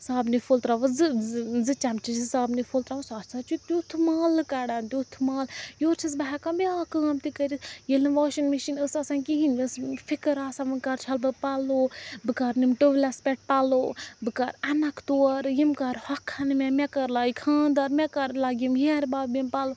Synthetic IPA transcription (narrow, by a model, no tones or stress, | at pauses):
saːbnifolt̪ɾaʋzɨzɨt͡ʃamt͡ʃit͡ʃɨsaːbnifolt̪ɾaʋsaːsat͡ʃut̪ut̪ʰɨmaːlkaɽant̪ʲut̪ʰmaːljoːɾt͡ʃʰis̬bɐɦɛkabiaːkaːmt̪ikəɾʲisjelɨnʋaːʃinmiʃinəsɐsãnkiɦinʲɨsfʰikɨɾaːsaʋɨnkaɾt͡ʃʰɐlbɨpaloːbɨkaɾnimʈoʋlaspʲɛʈ̚paloːbɨkaɾɐnɐkʰt̪oɐɾjimkaɾhɐkʰːanimʲɛmʲɛkɐɾlaːikʰãːnd̪aːɾmʲɛkɐɾlaɡʲimɦɾbaːbimpalo